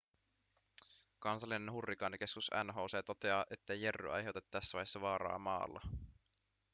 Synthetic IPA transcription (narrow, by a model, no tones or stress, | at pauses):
kɑnsɑlːine̞nɦurːikɑːnik̟e̞skusæ̰nɦo̞ːseːt̪o̞t̪eɑːʔe̞t̪ːejerːy̰ʔɑ̰jɦe̞wt̪et̪ːæsːæʋɑ̰jesːɑʋɑːɾɑ̰ːmɑ̰ːlːɑ̰